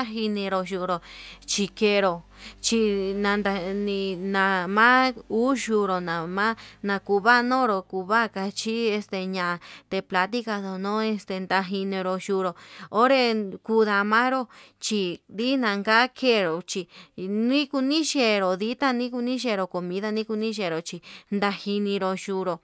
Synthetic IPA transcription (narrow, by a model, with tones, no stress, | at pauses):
a˦ɦi˧nĩ˧ɾo˧ʃu˧˨ɾo˨t͡ʃi˧ke˧ɾo˨ | t͡ʃi˧nã˧nd̪a˧nĩ˧nã˧mã˦u˦ʃu˧ɾo˨nã˨mã˦nã˧ku˧βa˦˧nõ˦ɾo˧ku˧βa˦˨ka˧t͡ʃi˦e˧st̪e˧ɲã˨˧˨t̪e˧pla˧t̪̬i˦ka˧ðo˨nõ˦e˧st̪e˧nd̪a˧ɦi˧nĩ˧ɾo˧ʃu˧ɾo˨o˦ɾe˧ku˧ða˧mã˦ɾo˦t͡ʃi˧d̪i˦nã˧ŋɡa˦kʰe˦˧ɾo˨t͡ʃi˧nĩ˦ku˧nĩ˦ʃe˧ɾo˨ði˦t̪a˦˧nĩ˦ku˧nĩ˦ʃe˧˨˧ɾo˨ko˨mĩ˧˦ða˦˧nĩ˦ku˧nĩ˦ʃe˧˨ɾo˨t͡ʃi˧nd̪a˧hi˧nĩ˧ɾo˧ʃu˧ɾo˨